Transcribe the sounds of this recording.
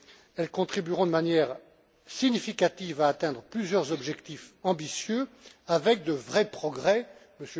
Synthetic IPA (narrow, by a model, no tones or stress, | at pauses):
ɛlkɔ̃t̪χibyʁɔ̃d̪əmanjɛːʁ | siɲifikat̪ivaːt̪ɛ̃d̪ʁəplyzjœʁzɔbʒɛkt̪ifɑ̃bisjøavɛk̚d̪əvʁɛpχɔɡʁɛməsj